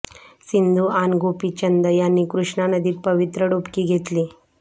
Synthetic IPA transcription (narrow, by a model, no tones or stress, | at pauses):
sind̪ʱuanɡopiːt͡ʃənd̪əjanːiːkɾuʂɳanəd̪iːt̪̚pəʋit̪ɾəɽopkiɡʱet̪li